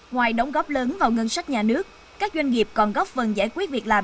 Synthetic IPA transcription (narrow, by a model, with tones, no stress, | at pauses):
ŋwaː˨˩jɗə˨˦wŋ͡mɣɔ˦˥p̚ləː˨˦nvaː˨˩wŋə˧nsa˦˥k̟̚ɲaː˨˩nɨ˦˥ək̚ | kaː˦˥k̚zwa˧ŋ̟ŋi˨˩əp̚kɔ˨˩nɣɔ˦˥p̚fə˨˩nza̰ː˧˩jkwi˦˥t̚vi˨˩k̚laː˨˩m